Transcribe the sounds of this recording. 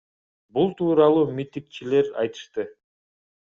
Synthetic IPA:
bulˠt̪ʰuːɾɑlˠuːmʲit̪ik̚t͡ʃile̞ɾɑ̰jt̪ɯ̥ʃt̪ɯ

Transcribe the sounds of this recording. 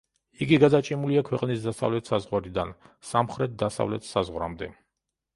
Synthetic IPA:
iɡiɡad̪at͡ʃʼimuliakʰwɛqʼnisd̪asa̰vlɛt̪ʰsazʁwaɾid̪ansamχɾɛt̪̚d̪asa̰vlɛt̪ʰsazʁɾamd̪ɛ

